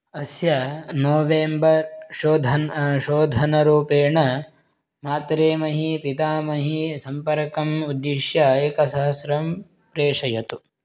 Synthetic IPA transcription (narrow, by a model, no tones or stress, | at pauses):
ɐsjɐnoːʋeːmbɐɾʃoːd̪ʱɐnʃoːd̪ʱɐnɐɾuːpeːɳɐ | maːt̪ɾeːmɐɦipit̪aːmɐɦisɐmpɐɾkɐmud̪ːiʃjaeːkɐsɐɦɐsɾɐm | pɾeːʂɐjɐt̪u